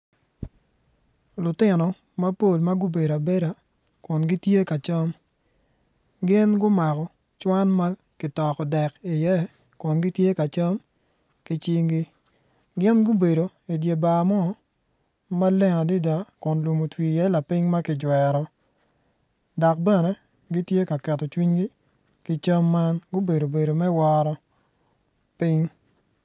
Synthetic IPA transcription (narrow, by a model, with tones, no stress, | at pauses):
lʊ˨tɪ˦nɔ˨ | ma˦po˦˨lma˦ɡʊ˦be˨ɾa˨be˦ɾa˨ | kʊ˨nɡɪ˦tje˦ka˨t͡ʃa˦m | ɡɪ˦nɡʊ˦ma˨kɔ˨ | t͡ʃwa˦nma˦ | kɪ˨tɔ˨kɔ˨dɛ˨ki˨jɛ˦ | kʊ˨nɡɪ˦tje˦ka˨t͡ʃə˦m | kɪ˦t͡ʃi˦ŋɡɪ˦ | ɡɪ˦nɡʊ˦be˨do˨ | i˨dje˨ba˨mɔ˦ | ma˦lɛ˦ŋa˨di˦da˦kʊ˨nlu˨mo˨twi˨jɛ˦la˨pi˦ŋma˦kɪ˨d͡ʒwɛ˨ɾɔ˨ | dɔ˨k̚bɛ˦nɛ˨˦ | ɡi˦tje˦ka˨kɛ˨tɔ˨t͡ʃwi˦ɲɡi˦ | kɪ˦t͡ʃɐ˦mːa˦nɡʊ˦be˨do˨be˨ɾo˨mɛ˦wɔ˦ɾɔ˦ | pi˦ŋ